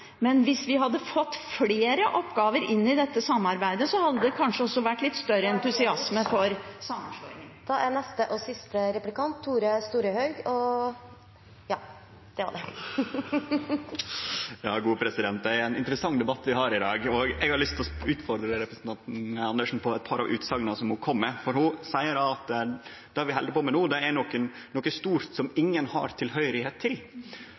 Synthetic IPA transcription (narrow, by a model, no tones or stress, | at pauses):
mɛnʋɪsʋɪɦɑd̪ːəfɔt̪ːfleːɾəʔɔpɡɑːʋəɾɪnːɪd̪ɛt̪ːəsɑmɑɾbæɪd̪əsɔhɑd̪ːəd̪ɛkʰɑnʂəɔʂsːɔʋæʈːlɪt̪ːst̪œɾəɛnt̪ʉsɪɑsməfɔɾsɑmənʂlɔːŋɪŋd̪̥ɑʔænɛst̪əʔɔsɪst̪əɾɛplɪkɑnt̪ʰːuːɾəst̪uːɾəhœʏɡɔ | jɑː | d̪̥ɛʋɑ̰ɖɛ | jɑːɡuːəpʰɾɛsɪd̪ɛnt̪̚d̪ɛæɾɛnɪnt̪əɾəsɑŋːd̪ɛbɑt̪ːʋɪɦɑːɾɪd̪ɑːɡɔɡɛɡhɑɾɭʏst̪ɔʉːt̪fɔɾd̪ɾəɾɛpɾəsn̩t̪ɑnt̪n̩ɑnd̪əʂn̩pʰɔɛt̪̚pʰɑɾʔɑ̰ʋʔʉːt̪sɑːɡənəsɔmhʊkʰɔmːəfɔɾhʊsæɪəɾɑɑt̪ | d̪̥ɛæɾʋɪɦɛld̪əpoːmɛnuːd̪ɛæɳoːkən | noːkːəst̪uːɾt̪sɔmɪŋːənhɑ̰ɾt̪ʰɪlɦœʏɾɪheːt̪ʰːɪl